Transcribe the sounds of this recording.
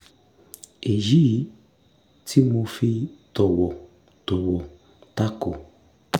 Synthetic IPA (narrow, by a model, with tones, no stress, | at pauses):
e˨d͡ʒi˦˨˦ | ti˦mo˧fi˦tɔ˨wɔ˨ | tɔ˨wɔ˨ | ta˦ko˨